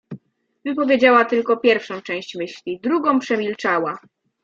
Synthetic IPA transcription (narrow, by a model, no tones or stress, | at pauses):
vɘpɔvʲjed͡ʑawat̪ɘlkɔpʲjɛɾfʂɔ̃w̃t͡ʂɛ̃w̃ɕt͡ɕmɘɕlʲid̪ɾuɡɔ̃w̃pʂɛmʲilt͡ʂawa